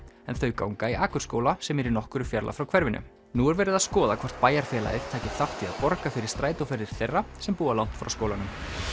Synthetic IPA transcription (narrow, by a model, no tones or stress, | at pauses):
ɛnθœɥka̰ːwŋkaiʔaːkʏɾ̥skoːwlasɛmɛɾinɔhkʏɾʏfjɛɾla̰fɾawkʰv̥ɛɾvɪnʔʏ̰ | nuɛɾvɛːɾɪðaðskɔːðakʰvɔr̥t̪̚paːjaɾ̥fjɛːla̰ɪð̥t̪ʰaːcɪ̥θawht̪ʰia̰ðpɔɾkafɪɾɪɾ̥st̪ɾaːjt̪ʊfɛɾðɪɾ̥θejrːasɛmpuːalawn̥t̪fɾa̰wskowlanʏm